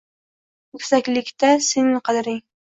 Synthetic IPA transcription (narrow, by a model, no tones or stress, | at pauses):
ɵkʲsakʲlɪkʲt̪asenɪŋqʰɑd̪ɪɾɪŋ